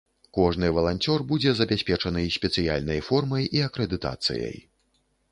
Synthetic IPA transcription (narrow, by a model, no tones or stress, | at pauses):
kɔʐnɨvɐlˠanʲt͡sʲɔrbud͡zʲɛzɐbʲasʲpʲɛt͡ʂɐnɨjsʲpʲɛt̪sɨja̰lʲnɐjfɔrmɐjiɐkɾɛd̪ɨt̪a̰t̪sɨ̰jɐ̰j